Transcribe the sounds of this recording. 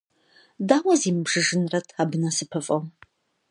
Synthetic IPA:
daːwɐziːmɨbʒɨʒɨnrɐtʰaːbɨnɐsɨpʰɨfʼɐw

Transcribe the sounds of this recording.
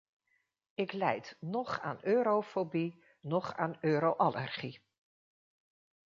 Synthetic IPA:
ɪklɛjtnɔχa̰ːnøːɾofobi | nɔχa̰ːnøːɾowʔalə̰rχi

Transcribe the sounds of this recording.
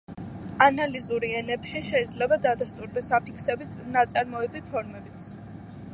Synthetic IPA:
analizuɾiɛnɛbʃiʃɛid̪zlɛbad̪ad̪ast̪ʼuɾd̪ɛsapʰikʰsɛbit̪nat̪sʼaɾmɔɛbipʰɔɾmɛbit̪sʰ

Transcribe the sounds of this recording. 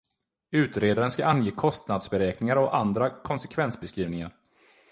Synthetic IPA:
ʉ̟ːt̪ɾeːd̪aɾənskaʔanjeːkʰɔst̪nad̪sbɛɾɛːknɪŋaɾɔʔand̪ɾakʰɔnsɛkʰvɛnsbɛskɾiːvnɪŋaɾ

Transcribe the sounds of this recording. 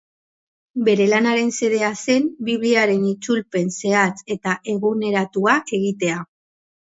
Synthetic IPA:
be̞ɾe̞lanaɾe̞nse̞ðe̞ase̞mbiβliaɾe̞nit͡sulpe̞nse̞at͡se̞t̪aʔe̞ɣune̞ɾat̪uake̞ɣit̪e̞a

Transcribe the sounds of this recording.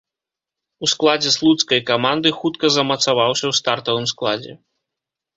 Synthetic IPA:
usklˠad͡zʲɛslˠut̪skɐjkamand̪ɨxut̪kɐzɐmɐt̪savawsʲɐwst̪art̪ɐvɨmsklˠad͡zʲɛ̰

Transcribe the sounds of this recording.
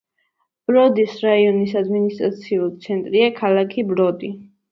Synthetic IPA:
b̥ɾɔd̪isɾaiɔnisad̪minist̪ʼɾa̰t̪sʰiult̪sʰɛnt̪ʼɾiakʰalˠakʰibɾɔd̪i

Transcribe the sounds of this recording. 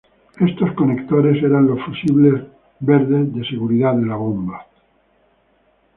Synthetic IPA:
e̞st̪o̞skone̞kt̪oɾe̞seɾanlo̞sfusiβle̞z | βeɾðezðe̞se̞ɣuɾiðaðe̞laβomba

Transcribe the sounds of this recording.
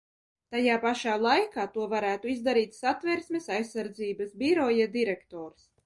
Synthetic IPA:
t̪ajaːpaʃaːlˠajkaːt̪uɔvaɾæːt̪uizd̪aɾiːt̪ʲsat̪vɛɾsmʲesajsːaɾd̪ziːbasbʲiɾɔjad̪iɾɛkt̪ɔːɾs

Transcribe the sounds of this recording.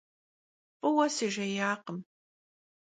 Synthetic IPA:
pʼɨwɐsiʒɐjaːqəm

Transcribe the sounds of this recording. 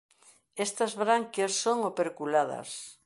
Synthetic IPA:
est̪ɐzβɾaŋkjassoŋopeɾkulaðɐ̰s

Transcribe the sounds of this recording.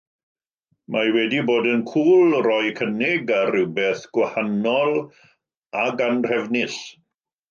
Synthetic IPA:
mawɛdiboːdənkʰuːlˠrɔjkʰənɪɡarɪwbɛθɡ̥wahanɔlˠ | aɡanr̥ɛvnɪɬ

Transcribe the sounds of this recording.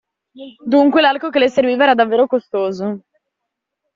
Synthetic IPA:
d̪uŋkwelalkok̬elejserviːvaɛːɾad̪avːeːɾokost̪oːzo

